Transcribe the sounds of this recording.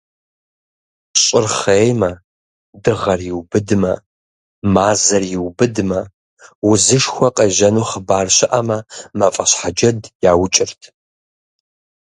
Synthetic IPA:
ɕʼɪrχeːjmɐ | dɨʁɐrjiwbɨdmɐ̰ | maːzɐrjɪwbɨdmɐ | wʊzɨʂxʷɐqʼeːʒɐnuːχəbaːrɕɪʔɐmɐmɐfʼɐɕħad͡ʒɐdjaːwt͡ʃʼɪrtʰ

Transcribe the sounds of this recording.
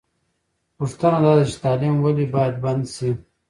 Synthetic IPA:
puʂt̪ənad̪aːd̪at͡ʃi̥t̪aːlimwalibaːjad̪̚bɐnd̪si

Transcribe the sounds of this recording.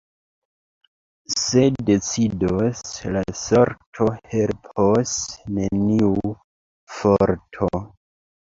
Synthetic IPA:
se̞de̞t͡sidoslasoɾtʰohe̞lpʰosne̞niu | foɾtʰo

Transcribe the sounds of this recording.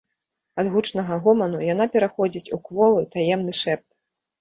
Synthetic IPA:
ad̪ɣut͡ʂnɐɣɐɣɔmɐnujan̪apʲɛɾaxɔd͡zʲit͡sʲukvɔlˠɨt̪ajɛmnɨʂɛp̚t̪

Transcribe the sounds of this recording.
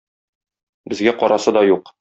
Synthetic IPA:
bɘ̆zɡæqɒɾɑsɤd̪ɒjuq

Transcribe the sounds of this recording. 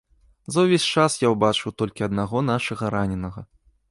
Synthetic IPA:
zɐwvʲesʲt͡ʂasjawbat͡ʂɨwt̪ɔlʲkʲiɐd̪naɣɔn̪aʂɐɣɐɾanʲɛnɐɣɐ̰

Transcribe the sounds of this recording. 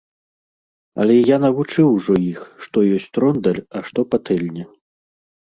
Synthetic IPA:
ɐ̰lʲɛjanɐvut͡ʂɨwʐɔjixʂt̪ɔjɔsʲt͡sʲt̪ɾɔnd̪ɐrɐʂt̪ɔpat̪ɛlʲnʲɛ

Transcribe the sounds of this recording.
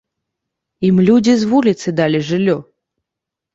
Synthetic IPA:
imlʲudʲizvulʲit̪sɨd̪alʲiʐɨlʲːo

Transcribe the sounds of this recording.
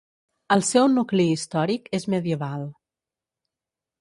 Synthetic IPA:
əlˠsɛwnukliːst̪ɔɾikezməðiəβalˠ

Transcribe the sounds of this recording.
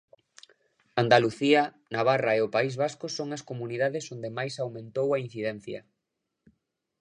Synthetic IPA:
and̪aluθiɐ | naβ̞araeʊpaizβaskʊsoŋɐskomuniðaðɪsond̪emajsawmẽnt̪owɐin̟θiðɛn̟θjɐ̰

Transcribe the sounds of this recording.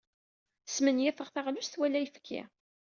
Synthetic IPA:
smənjɪθəʁθaʁlust̪wælːæjəfkʰːḭ

